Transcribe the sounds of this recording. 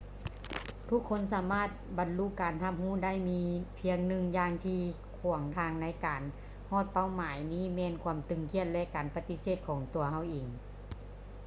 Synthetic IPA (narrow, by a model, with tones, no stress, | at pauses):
t̪ʰu˧˥˨kʰːo˧˥˨nsaː˨˩˦maː˧˥˩t̪̚ba˨˩nlu˧˨kːaː˨˩nha˧˥p̚huː˧˥˩da˥˨jmiː˧˥pʰi˧əŋnɯ˧ŋjaː˧ŋt̪ʰiː˧ | kʰu˨˩əŋt̪ʰaː˧ŋna˧˥jkaː˨˩n | hɔː˥˩t̪̚pa˧˩˨wmaː˩˦jniː˥˨mɛː˧˨nkʰu˧əmt̪ɯ˨˩ŋkʰi˧˥ət̪̚lɛ˧ʔkaː˨˩npa˧t̪i˧˥seː˧˩t̪̚kʰɔː˨˩˦ŋt̪u˨˩ɐha˧˩wʔiː˨˩ŋ